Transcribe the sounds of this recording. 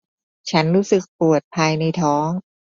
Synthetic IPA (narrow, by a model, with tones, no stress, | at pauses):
t͡ɕʰa˦˥nɾuː˦˥sɯ˨˩k̚pu˨˩ət̪̚pʰaː˧jna˧jt̪ʰɔː˦˥ŋ